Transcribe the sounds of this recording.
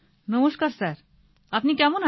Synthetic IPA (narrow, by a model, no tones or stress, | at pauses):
nəmuʃkaɾsaɾ | apnikɛmona